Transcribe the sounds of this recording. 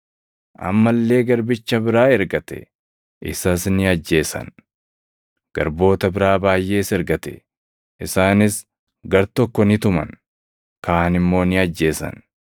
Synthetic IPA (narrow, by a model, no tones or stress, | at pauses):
ʔɐ̰mːɐlːe̞ːɡɐɾbɪt͡ʃːɐbɪɾaːɛɾɡɐt̪ɛ̰ | ʔɪsɐsnɪɐd͡ʒːe̞ːsɐ̰n | ɡ̥ɐ̰ɾbo̞ːt̪ɐbɪɾaːbaːjːʔe̞ːsɛɾɡɐt̪ɛ̥̰ | ʔɪsaːnɪs | ɡɐɾt̪ɔkːɔnɪt̪ʊmɐ̰n | kaːnɪmːo̞ːnɪɐd͡ʒːe̞ːsɐ̰n